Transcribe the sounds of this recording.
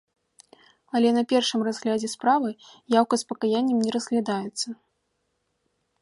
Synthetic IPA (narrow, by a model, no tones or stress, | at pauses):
ɐlʲɛnɐpʲɛrʂɨmrazɣlʲad͡zʲɛspɾavɨjawkɐspɐkajanʲːɛmnʲɛɾɐzɣlʲad̪ajɛt̪sːɐ